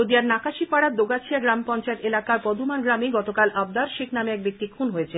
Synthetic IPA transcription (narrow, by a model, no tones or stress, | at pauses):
od̪ijaɾnakaʃipaɽat̪d̪oɡat͡ɕʰiaɡɾampɔnt͡ɕaet̪elakaɾpɔd̪ʱumanɡɾamiɡɔt̪okalʔab̚d̪aɾʃiknameɛk̚bik̚t̪ikʰunɦoet͡ɕʰe